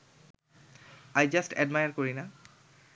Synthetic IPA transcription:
ajd͡ʒastʰɛ̰dmajaɹkoɹina

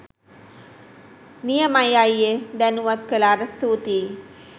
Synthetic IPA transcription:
nijəmajajjed̪ænuʋat̪kəlaːɾəst̪ut̪iː

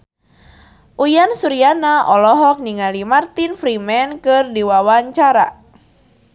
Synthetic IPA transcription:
ʔujansuɾianaʔɔlɔɦɔk̚niŋalimart̪infɾimɛnkɨrdiwawaɲt͡ʃaɾa̰

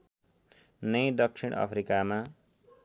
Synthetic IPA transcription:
nʌjd̪ʌk̚sʰiɽ̃ʔʌ̰pʰɾikama

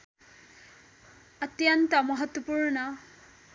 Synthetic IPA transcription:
ət̪jʌnt̪ʌmʌɦʌt̪wɔpuɹnʌ

